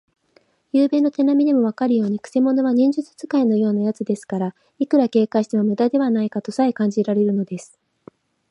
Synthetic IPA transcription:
jɯːbe̞ːnːo̞t̪e̞namʲid̪e̞mo̞βakaɾɯ̟jo̞ːɲ̟ikɯ̥se̞mo̞no̞β̞aɲ̟ĩɲ̟d͡ʑɨt͡sɨ̥t͡sɨkaino̞jo̞ːnajat͡sɨd̪e̞sɨ̥kaɾa | ikɯɾake̞ːkaɕi̥t̪eβamɯ̟d̪ad̪e̞βanaikat̪o̞saikãɲ̟d͡ʑiɾaɾe̞ɾɯ̟no̞d̪e̞sɨ̥

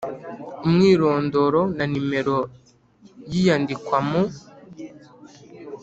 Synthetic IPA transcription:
umŋiːɾo̞ːndo̞ɾo̞nanime̞ɾo̞ | jijandikwamo

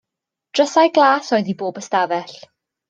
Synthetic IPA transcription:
d̥rəsajɡlˠaːsɔjðiboːbəstavɛɬ

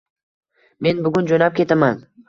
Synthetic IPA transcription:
me̞nbʊɡʊnd͡ʒonap̚kʲʰe̞t̪ʰaman

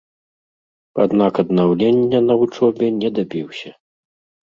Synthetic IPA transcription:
ad̪nakɐd̪nawlʲenʲːɐnɐut͡ʂɔbʲɛnʲɛd̪abʲiwsʲɐ

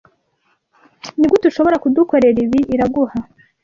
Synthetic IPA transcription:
niɡotuʃo̞βo̞ɾakuduko̞ɾe̞ɾiβiʔiɾaɡuha

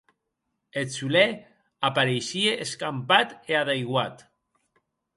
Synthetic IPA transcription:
et͡sule | apaɾeʃieʔeskampat̪eaðejɣwat̪

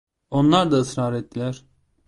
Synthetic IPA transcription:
o̞nlˠaɾd̪aɯsɾaːɾɛt̪̚ːilʲæɾ̥

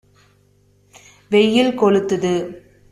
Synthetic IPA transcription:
ʋɛjːɪlkɔɭɯt̪ːɯðɯ

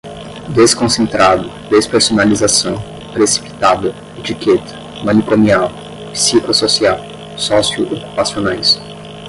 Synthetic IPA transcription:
d̪eskõsẽnt̪ɾad̪ʊ | d̪espeɾsonalizasɐ̃w̃ | pɾesi̥pi̥t̪ad̪ɐ | et͡ʃiket̪ʰɐ̥ | mɐ̃nikomiaw | pi̥siklososiaw | sɔsiuʔoku̥pasionajs

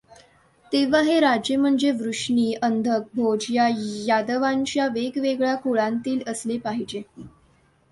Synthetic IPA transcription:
t̪eʋaɦeɾad͡ʑjem̤əɳd͡zeʋɾuʂɳiːənd̪ʱək̚bʱod͡ʑjajad̪əʋaɲt͡ɕjaʋeɡʋeɡɭjakoɭãnt̪iːləslepaɦid͡ʑe

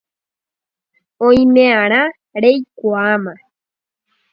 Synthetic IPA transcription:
õĩmẽãɾ̃ã | ɾejkʷuamã

